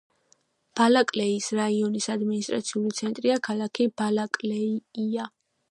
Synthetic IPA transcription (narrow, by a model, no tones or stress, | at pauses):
b̥alakʼlɛisɾaiɔnisad̪minist̪ʼɾa̰t̪sʰiulit̪sʰɛnt̪ʼɾiakʰalˠakʰibalakʼlɛiia